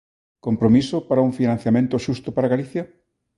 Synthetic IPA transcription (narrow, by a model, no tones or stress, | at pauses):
kompɾomisʊpaɾauŋfinãn̟θjamẽnt̪ʊʃust̪ʊpaɾaɣaliθjɐ